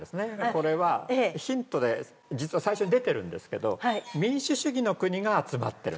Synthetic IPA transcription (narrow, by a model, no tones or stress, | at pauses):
esɨne̞ko̞ɾe̞βaçĩnt̪o̞d̪e̞ | d͡ʑit͡sɨβasaiɕo̞ɲ̟id̪e̞t̪e̞ɾɯ̟̃nd̪e̞sɨ̥ke̞d̪o̞̰mʲĩɕɨɕɨɡʲino̞kɯ̟ɲ̟iɡaːt͡sɨma̰t̪ːe̞ɾɯ̰